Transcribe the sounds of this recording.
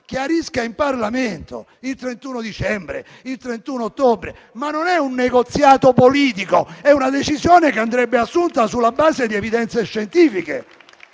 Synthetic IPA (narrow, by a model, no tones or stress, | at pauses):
k̟eaɾiskaimparlament̪o̰ | ilt̪ɾent̪uːnod̪it͡ʃɛmbɾḛ | ilt̪ɾent̪unoot̪ːobɾe | manːonɛunːeɡot̪sjaːt̪opoliːt̪iko̰ɛunad̪et͡ʃizjoːnekeand̪ɾɛbːeasːunt̪asulːabaːzed̪iɛvid̪ɛnt̪seʃːent̪iːfikḛ